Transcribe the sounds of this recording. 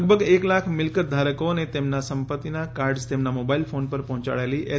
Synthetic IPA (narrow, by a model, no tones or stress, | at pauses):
ɡ̚bʱəɡeːklakʰmɪlkət̪̚d̪ʱaɾəkonet̪emnasəmpət̪ːinakaːɾɖzt̪emnamoːbailpʰoːnpəɾpɐ̃ɦt͡ʃa̰ɭjaliʔe